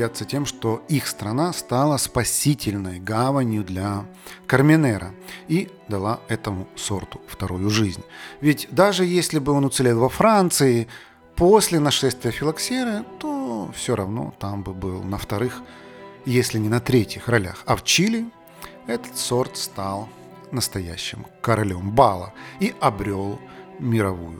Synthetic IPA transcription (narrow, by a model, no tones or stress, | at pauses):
at̪sətʲe̞mʂt̪o̞ixst̪ɾɐnast̪alˠəspɐsʲitʲɪlʲnəjɡavənʲjʊd̪lʲɐkərmʲɪnɛɾʔə̰i | d̪ɐlˠaɛt̪əmʊso̞rt̪ʊ̥ft̪ɐɾojʊʐɨzʲnʲvʲɪtʲd̪aʐɨjesʲlʲɪbɨo̞nʊt̪sɨlʲelˠvɐfɾant̪sɨɪ | posʲlʲɪnɐʂɛst̪vʲɪjəfʲɪlˠɐksʲeɾɨt̪ofsʲoɾɐvno̞̰t̪ambɨbɨlˠnəft̪ɐɾɨx | jesʲlʲɪnʲɪnɐt̪ɾʲetʲjɪxrɐlʲa̰xɐft͡ɕilʲɪ | ɛt̪ə̥t̪so̞rt̪st̪alˠ | nəst̪ɐjæ̰ɕːɪ̰mkəɾɐlʲo̞mbalˠə̰iɐbɾʲo̞lˠmʲɪɾɐvujʊ̰